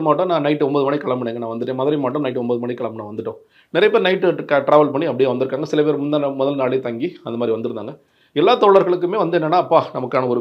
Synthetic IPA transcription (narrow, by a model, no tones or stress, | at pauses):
maːʈːɐ̃nãːnɐɪʈːɯɔmboːðɯmɐɳiɪkɐɭɐmbɐɳːeːŋɡɐnãːʋɐnd̪ɯʈːẽːmɐðɐɾɪmaːʈːɐmnɐɪʈːɯɔmboːðɯmɐɳikːɐɭɐmnãːʋɐnd̪ɯʈːõ̰ː | nɪɾɐjɐpeːɾnɐɪʈːɯkɐʈɾaːʋɐlpɐɳːiɐpːɐɽɪeːʋɐnd̪ɯɾɯkːaːŋɡɐsɪlɐpeːɾmʊnd̪amʊðɐlnaːɭet̪ɐŋɡiɐnd̪ɐmaːd̪ɾiʋɐnd̪ɯɾɯnd̪a̰ːŋɡɐ | ɛlːaːt̪oːɭɐɾɣɐɭɯk̬ːɯmeːʋɐnd̪ɯɛnːɐnːaːɐpːaːnɐmɐkːaːnɐɔɾɯ